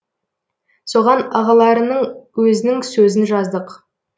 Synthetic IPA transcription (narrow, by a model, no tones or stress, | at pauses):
so̞ʁɑnɑʁɑlˠɑɾənəɴwɵzɪnɪŋsɵzɪnʒɑzd̪əq